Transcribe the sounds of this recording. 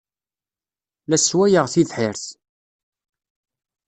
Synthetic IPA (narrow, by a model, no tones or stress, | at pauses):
læswæjəʁθiðħɪɾθ